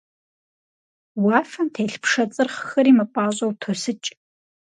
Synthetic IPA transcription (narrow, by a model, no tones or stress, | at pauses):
wɑːfɐmtʰeːɬpʂɐt͡sʼɨrχxɐɾiːmɐpʷʼɑːɕʼɐwtʰosɨt͡ʃʼ